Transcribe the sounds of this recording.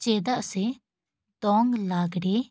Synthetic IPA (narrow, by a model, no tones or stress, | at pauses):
t͡ʃɛd̪aʔsɛ | d̪ɔŋɡlaɡɽɛ